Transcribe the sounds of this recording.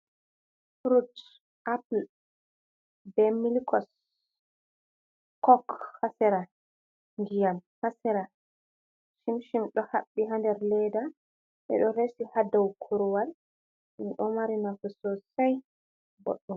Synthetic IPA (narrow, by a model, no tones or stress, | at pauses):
fɾud | ʔapl | bɛmilikɔs | kɔkhasɛɾa | ŋɡijamhasɛɾa | ʃimʃimɗɔhaɓːiɦandɛɾlɛda | ɓɛ̰ɗɔɾesihadawkʰuɾwal | nɗɔmaɾinakɔsɔsaj | bɔ̰ɗːɔm